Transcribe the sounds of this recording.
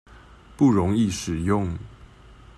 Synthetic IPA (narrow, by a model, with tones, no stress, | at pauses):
pu˥˩ɻo˧˦ŋi˥˨ʂɻ̩˨˩jʊ˥˨ŋ